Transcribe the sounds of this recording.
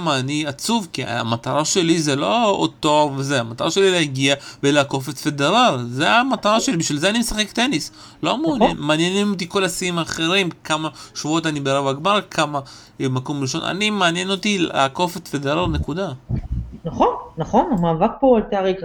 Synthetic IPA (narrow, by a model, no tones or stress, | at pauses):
maːniat͡suvkḭa̰mat̪aʁaʃe̞lizelo̞ot̪ovezeamat̪aʁaʃe̞lileaɡiabelaːko̞fetfe̞deʁalzeamataʁaʃelibiʃvilzeanimesaχekt̪e̞nis | lo̞mmaːnjenimot̬iko̞lasiimaχe̞ʁimkamaʃvuo̞tanibeʁavaɡmaʁakʰama | emako̞mʁiʃo̞̰nʔa̰nimaːnje̞not̪ila̰ːko̞fetfe̞deʁalne̞kuda | naχonːaχo̞namaːvak̚poalteaʁik